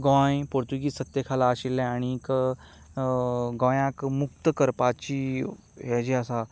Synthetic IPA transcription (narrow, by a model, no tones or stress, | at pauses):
ɡãjpoɾt̪uɡiːsət̪jəkʰalaːɕilːɛ̃aɽ̃iːk | ɡɔ̃jãkmukt̪əkəɾpat͡ɕiː | ɦɛd͡ʑiəsa